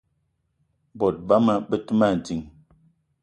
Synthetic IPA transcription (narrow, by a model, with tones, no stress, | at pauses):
bɔ˨t̚ba˦mə˦bə˦tɨ˦ma˦˨n̩˨ti˨ŋ